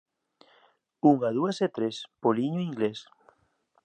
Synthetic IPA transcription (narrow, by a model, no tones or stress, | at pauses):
uŋað̞ueset̪ɾespoliɲoiŋɡles